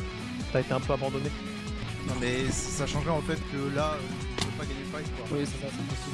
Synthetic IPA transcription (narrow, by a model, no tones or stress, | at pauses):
t̪aet̪eɛ̃pøabɑ̃d̪ɔne | nɔ̃mɛssaʃɑ̃ʒʁɛɑ̃fɛt̪kəlaø | pɛpaɡaɲefajkwawisɛt̪asɛ̃əsu